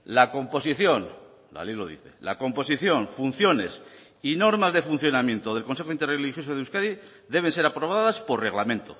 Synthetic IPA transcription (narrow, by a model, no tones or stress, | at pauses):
lako̞mpo̞siθjo̞n | d̪a̰leloðḭθe̞̰la̰ko̞mpo̞s̬iθjo̞ɱfun̟θjo̞ne̞s | ino̞ɾmazðe̞fun̟θjo̞namjent̪oðelko̞nse̞xoint̪erelixjo̞soðeuskaði | ðe̞β̞e̞nse̞ɾapɾo̞βaðaspo̞ɾre̞ɣ̞lamẽ̞nt̪o̰